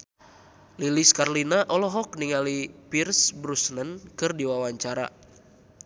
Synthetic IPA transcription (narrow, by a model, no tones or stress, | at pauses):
liliskarlinaʔɔlɔɦɔk̚niŋalipirsbɾusnənkɨrdiwawaɲt͡ʃaɾa̰